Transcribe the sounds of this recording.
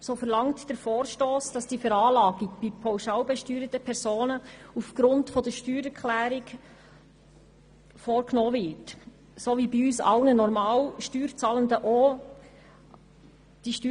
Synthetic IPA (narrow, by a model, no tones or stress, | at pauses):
soːfɛɾlɑŋtd̥əɾfoːɾʃtoːsd̥ɑsd̥iːfɛɾɑːlɑːɡɪkb̥ipʰɔwʃɑwbɛʃtyːɾətəpʰɛɾsoːnəufɡ̥ɾʊntfɔdəʃtyːɾɛɾkʰχlæːɾik | foːɾknɔːvɪt | soːʋibiyːsɑ̰wnənɔɾmɑːwʃtyːɾt͡sɑːləndəʔo | d̥iʃty